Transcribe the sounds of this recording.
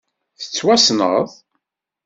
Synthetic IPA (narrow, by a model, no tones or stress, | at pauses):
θə̥t͡sːwæsnə̰ðˤ